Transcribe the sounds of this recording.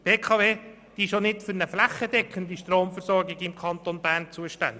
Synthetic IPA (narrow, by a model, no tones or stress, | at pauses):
pʰeːkʰɑːveː | d̥iʃonɪtfʏɾnəflæχːəd̪ɛkχənd̪iʃtɾoːmfərsɔɾɡɪɡɪmkʰɑnt̪onbæːɾnt͡suəʃtæ̰nd̪